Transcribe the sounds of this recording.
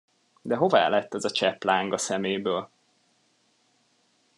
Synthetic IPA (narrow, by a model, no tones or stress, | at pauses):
d̪ɛɦo̞va̰ːlɛt̪ːɛzɒt͡ʃɛplaːŋɡɒsɛmeːjbøːl